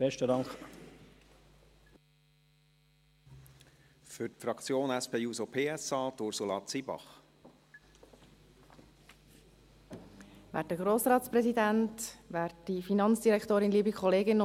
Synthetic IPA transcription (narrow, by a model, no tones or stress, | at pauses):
b̥ɛʃtədɑŋk | fʏtfɾɑkt͡sjoːnæspʰeːuːsopʰeːɛsɑːt̪ʊɾsulɑt͡sibɑ̰χ | væ̰ːt̚dəɡɾoːsɾɑːtspɾɛzidæntʋæːɾtdifinɑnt͡sd̥iɾɛktoːɾɪnliːbikʰχɔleːɡɪn